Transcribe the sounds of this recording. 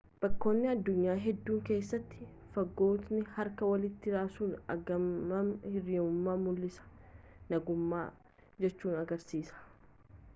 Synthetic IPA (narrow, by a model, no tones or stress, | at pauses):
b̥ɐkːo̞ːnːɪɐd̪ːʊɲːaːɦɛd̪ːuːŋke̞ːsːɐt̪ːɪ̥ | fɐɡːo̞ːt̪nɪhɐɾkɐwɐlɪt̪ːɪɾaːsuːnɐ̰ɡɐmɐhɪriːmʊmːaːmʊlːɪsɐ̥nɐɡʊmːa̰ː | d͡ʒɛt͡ʃːuːnɐɡɐɾsiːsɐ̥